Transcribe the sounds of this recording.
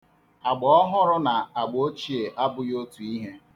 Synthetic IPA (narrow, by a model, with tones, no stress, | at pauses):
a˨ɡ͡bɔ˨˦ɔ˦ɦʊ˦ɾʊ˦na˨a˨ɡ͡bo˦t͡ʃi˦˨e˨ʔa˦bʊ˨jo˦tu˨i˦ɦe˦